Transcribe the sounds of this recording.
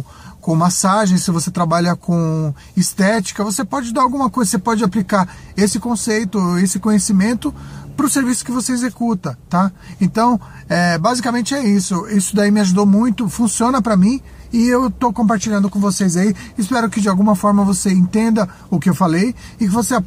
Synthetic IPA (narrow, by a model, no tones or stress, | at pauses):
kõmasaʒẽj̃sɪvoset̪ɾabaʎɐkʰõ | ɪst̪ɛt͡ʃi̥kɐvosepɔd͡ʒɪd̪aawɡũmɐkojzɐsepɔd͡ʒɪaplikaɾesɪkõsejt̪ʊesɪkõɲesimẽnt̪ʊpɾʊseɾvisʊ̥kɪvoseezekut̪ɐt̪a | ẽnt̪ɐ̃w̃ | ɛbazikamẽt͡ʃɪɛisʊisʊd̪aimɪaʒud̪omũj̃t̪ʊfũsiõnɐpɾɐmĩ | ɪewt̪owkõpaɾt͡ʃiʎɐ̃nd̪ʊkõvosejzaiːspɛɾʊkɪd͡ʒɪawɡũmɐfɔɾmɐvoseẽt̪ẽnd̪ɐ | ʊkɪewfalejɪkɪvosea